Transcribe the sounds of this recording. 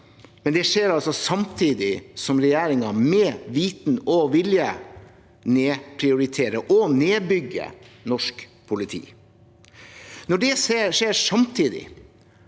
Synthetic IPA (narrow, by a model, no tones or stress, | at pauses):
mɛnd̪ɛʂeːɾɑlsɔsɑmt̪ʰiːd̪ɪsɔmɾɛjæːɾɪŋɑmɛːʋiːt̪nɔʋɪljə | neːpʰɾɪʊɾɪt̪ʰeːɾəʔɔneːbʏɡə̰nɔʂkpʰʊlɪt̪ʰḭː | nɔɖɛseːʂeːɾsɑmt̪ʰiːd̪ɪ̰